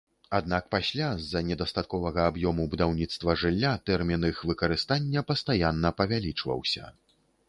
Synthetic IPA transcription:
ad̪nakpasʲlʲazɐnʲɛd̪ɐst̪at̪̚kɔvɐɣɐabjɔmubud̪awnʲit̪st̪vɐʐɨlʲːat̪ɛrmʲinɨxvɨkɐɾɨst̪anʲːɐpɐst̪ajanːɐpɐvʲalʲit͡ʂvɐ̰wsʲɐ̰

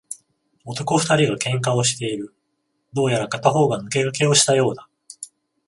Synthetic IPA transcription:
o̞t̪o̞ko̞ɸɯ̥t̪aɾʲiɡakẽ̞ŋkao̞ɕi̥t̪e̞iɾɯ̟ | d̪o̞ːjaɾakat̪aɦo̞ːɡanɯ̟ke̞ɾɯ̟ke̞o̞ɕi̥t̪ajo̞ːd̪a

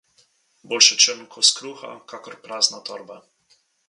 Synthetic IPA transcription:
boːlʃɛt͡ʃəmŋkʰɔskɾuxa̰kakɔɾpɾaːznat̪ɔɾba

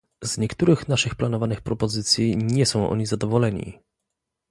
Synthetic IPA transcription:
z̥ɲɛkt̪uɾɘxnaʂɘxplanɔvanɘxpɾɔpɔzɘt̪sʲjiɲɛsɔ̃w̃ʔɔ̰ɲizad̪ɔvɔlɛɲḭ

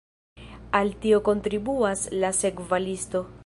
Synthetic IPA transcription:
altio̞ko̞ntɾibuaslase̞kvalisto̞

